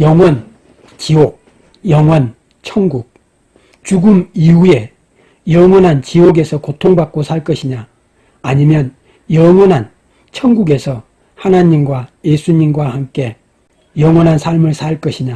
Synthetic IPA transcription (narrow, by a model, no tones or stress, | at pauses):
jʌŋwʌn | t͡ɕiok̚ | jʌŋwʌn | t͡ɕʰʌŋɡuk̚ | t͡ɕuɡumiue̞ | jʌŋwʌnɦant͡ɕioɡe̞sʰʌkotʰoŋbak̚k͈osʰaɭk͈ʌɕʰiɲaː | ɲimjʌn | jʌŋwʌnɦan | t͡ɕʰʌŋɡuɡe̞sʰʌ | hanaɲimɡwajesʰuɲimɡwahamk͈e̞ | jʌŋwʌnɦansʰaɭmɯɭsʰaɭk͈ʌɕʰiɲa